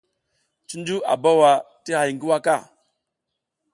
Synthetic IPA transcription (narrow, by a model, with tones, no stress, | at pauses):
t͡ʃi˦nd͡ʒu˦a̰˨ba˦wa˨ | ti˦ha˨jŋɡi˦wa˦ka˦˨